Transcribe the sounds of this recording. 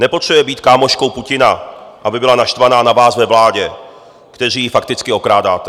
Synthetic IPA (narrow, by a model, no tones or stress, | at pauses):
nɛpot̪r̥ɛbujɛbiːt̪̚kaːmoʃko̞wpucɪnaʔabɪbɪlanaʃt̪vanaːnavaːsvɛvlaːɟɛ | kt̪ɛriːjɪfakt̪ɪt͡skɪo̞kɾaːdaːt̪ɛ